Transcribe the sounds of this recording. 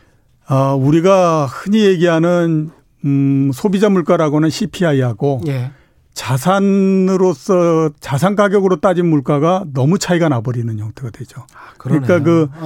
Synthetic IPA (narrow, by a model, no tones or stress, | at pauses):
auɾiɡahɯɲijeɡiɦanɯn | sʰobid͡ʑamuɭk͈aɾaɡonɯnɕʰipʰiaiɦaɡoj | t͡ɕasʰanɯɾos͈ʌt͡ɕas̬ʰankaɡjʌɡɯɾot͈ad͡ʑinmuɭk͈aɡanʌmut͡ɕʰaiɡanabʌɾinɯnjʌŋtʰeɡadwe̞d͡ʑokɯɯɲik͈akɯ